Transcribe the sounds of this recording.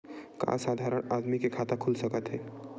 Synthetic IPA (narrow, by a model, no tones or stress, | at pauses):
kã̰sad̪ʱaɾəɳad̪mikekʰat̪akʰulsəkət̪ɦɛ